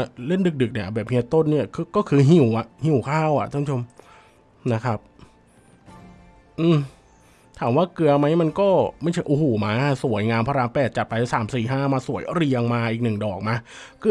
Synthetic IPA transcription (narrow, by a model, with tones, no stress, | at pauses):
le˥˩ndɯ˨˩k̚dɯ˨˩k̚ni˥˩ɐbɛː˨˩p̚hi˧t̪o˥˩˨nːi˥˩ɐkʰːkɔː˥˩kʰɯː˧ɦi˧˩wʔa˨˩ʔhi˨˩wkʰaː˥˩wʔa̰˨˩ʔt̪ʰːpʰːt͡ɕʰo˧m | na˦˥kʰa˦˥p̚ | ʔɯː˧˩ | t̪ʰaː˩˦mwaː˥˩kɯ˧ɐma˦˥jma˧nkɔː˥˩ma˥˩jt͡ɕʰa˦˥˩ʔoː˧hoː˨˩maː˧˥˧su˨˩˦əjŋaː˧npʰaː˧ɾaː˧˥ŋpɛː˨˩t̪̚t͡ɕa˨˩t̪̚pa˧ja˧˩saː˩˦msiː˨˩ɦaː˥˩maː˧su˨˩˦jɾi˧əŋmaː˧ʔiː˨˩k̚nɯ˨˩ŋdɔː˨˩k̚ma˧kɯ˧˥